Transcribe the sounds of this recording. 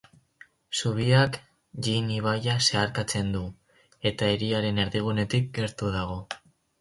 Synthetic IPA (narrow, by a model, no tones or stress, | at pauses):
suβiak | ʎiniβ̞ajase̞aɾkat͡se̞nd̪u | e̞t̪aeɾiaɾe̞ne̞ɾðiɣ̞une̞t̪ik̚ɡe̞ɾt̪uðaɣ̞o̞